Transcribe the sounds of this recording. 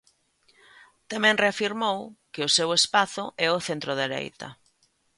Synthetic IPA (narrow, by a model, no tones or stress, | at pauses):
t̪amɛ̃ŋreafiɾmowkɪʊsewespaθʊʔɛʊθent̪ɾʊðeɾḛjt̪ɐ̰